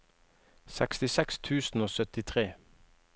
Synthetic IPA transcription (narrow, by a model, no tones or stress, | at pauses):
sɛkst̪ɪsɛkst̪ʰʉːsn̩oːsœt̪ɪt̪ʰʁeː